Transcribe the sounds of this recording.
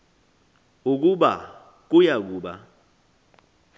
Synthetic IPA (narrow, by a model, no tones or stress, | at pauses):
uk̬uɓa̰ | k̬ujak̬uːɓa̰